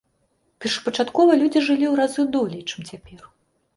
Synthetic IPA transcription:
pʲɛrʂɐ̥pɐt͡ʂat̪kɔvɐlʲud͡zʲiʐɨlʲiwɾazɨd̪ɔlʲɛjt͡ʂɨmt͡sʲapʲɛr

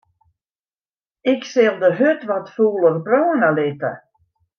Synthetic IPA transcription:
ɪksɪlˠdəɦøtʋɔtfuːlˠərbroːənəlɪtə̰

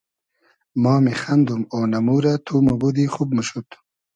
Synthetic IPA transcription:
mɑːmixand̪umoːnɐmuːɾat̪ʰumubud̪iχub̚muʃut̪

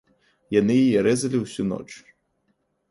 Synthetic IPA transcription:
janɨjijɛɾɛzɐlʲiwsʲunɔ̰t͡ʂ

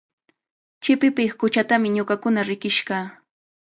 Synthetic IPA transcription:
t͡ʃɪpɪpɪχkʊt͡ʃat̪amɪɲoɢɑkʊnaɾɪkɪʃɢɑː

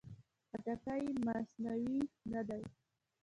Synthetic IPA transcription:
at̪akajmasnawinad̪aj

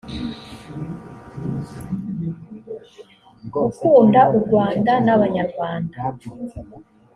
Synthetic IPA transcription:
ukuːndaʔuɾɡwaːndanaβaɲaɾɡwaːnda

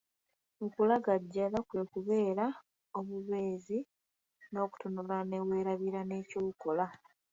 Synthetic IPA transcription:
okulaɡaɟːalakwe̞ːkuβe̞ːɾa | oβuβe̞ːzi | no̞ːku̥tonoɾane̞we̞ːɾaβiɾane̞ːcoːukola

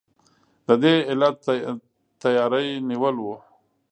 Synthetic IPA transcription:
d̪əd̪eɪlat̪ | t̪ajɑɾəjniwəlwu

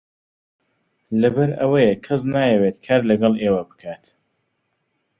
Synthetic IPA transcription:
lɐbɐɾɐwəjekʰɐs̬naːjɛweːt̪kʰaɾlɐɡɐlˠeːwɐbɨ̥kʰaːt̪

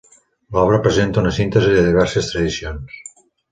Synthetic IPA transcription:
lɔβɾəpɾezent̪əunɐsint̪ezeðeðiβɛɾsest̪ɾɐðisjons

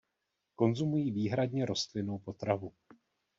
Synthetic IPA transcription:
ko̞nzumujiːviːɦɾadɲɛɾo̞st̪lɪno̞wpo̞t̪ɾavu

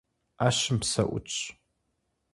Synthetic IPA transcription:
aːɕɪmpsɐ̰ʔʷʊ̰t͡ʃʰʼ

